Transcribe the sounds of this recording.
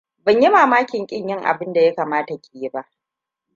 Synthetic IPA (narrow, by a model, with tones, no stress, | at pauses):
bɐ˨ɲji˦maː˨maː˦kʲɪ˨ŋkʲʼɪ˦˨ɲjɪ˦ŋʔa̰˨bɪ˦nda˨ja˦kaː˨maː˦ta˨kʲe˨je˦ba˦ʔ